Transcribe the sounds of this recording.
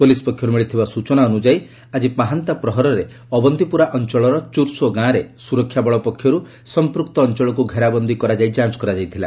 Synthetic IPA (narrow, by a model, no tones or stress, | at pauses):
polisɔ̥pɔkʰːjɔɾumeɭit̪ʰibasut͡ʃɔnaɔnud͡ʒaj | ad͡ʒipaɦant̪apɾɔɦɔɾɔɾe | ɔbɔnd̪ʱipuɾaʔɔnt͡ʃɔɭɔɾɔt͡ʃuɾsoɡãɾesuɾɔkʰːjabɔɭɔpɔkʰːjɔɾu | sɔmpɾuk̚t̪ɔːnt͡ʃɔɭɔkuɡʱeɾabɔnd̪ʱikɔɾad͡ʒajd͡ʒant͡ʃkɔɾad͡ʒajt̪ʰila̰